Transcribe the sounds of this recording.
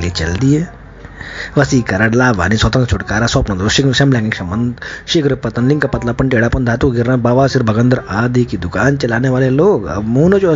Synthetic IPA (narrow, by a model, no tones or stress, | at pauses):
let͡ʃɐ̰ld̪ije | ʋɐsiːkɐɾaɽlaːʋa̰ːniswɐt̪ɐŋk̪t͡ʃʰuʈkaːɾaːsɔpnɐnd̪uʃiʃɐmlaːŋɡiŋkʂɐmɐnd̪ʃiɡɐɾɐpɐt̪ɐnliŋkɐpɐt̪lapɐɳʈieɽaːpɐnd̪ʱat̪ukɡiɾnɐbaʋaːsiɾbʱɐɡɐnd̪ɐɾaːd̪ikid̪ukaːnt͡ʃɐlaːneʋaːleloːɐ̰muːnot͡ʃo